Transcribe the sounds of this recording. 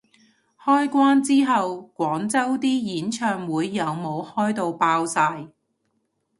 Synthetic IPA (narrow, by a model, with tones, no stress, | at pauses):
hɔː˥jkʷwaː˥nt͡siː˥ɦɐ˨wkʷɔː˨˥ŋt͡sɐ˥wt̪iː˥jiː˨˥nt͡ʃʰœː˧ŋwuː˨˧jːɐ˨˧wmo˨˧whɔː˥jt̪o˨˧wpaː˧˥wsaː˧j